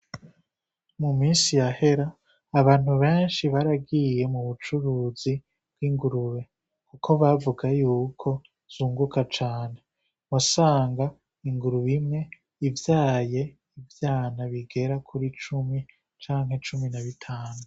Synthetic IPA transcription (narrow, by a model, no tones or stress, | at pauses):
mumiːnsijahe̞ɾaː | βaːn̥huβe̞ːnʃiβaɾaɡije̞muβut͡ʃuɾuːzi | b̥ɡwiŋɡuɾuβe̞ | kukʰo̞βavuɡajuːkʰo̞ | z̥uːŋɡukat͡ʃaːne̞ | wasaːŋɡa | iŋɡuɾuβimŋe̞ | ivjaːje̞ | ivjaːnaβiɡe̞ɾakʰuɾit͡ʃumi | t͡ʃaːŋɦe̞t͡ʃuminaβitʰaːnu